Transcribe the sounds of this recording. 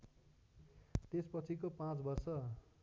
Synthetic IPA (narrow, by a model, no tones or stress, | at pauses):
t̪espʌt͡sʰikopãt͡sbʌrsʌ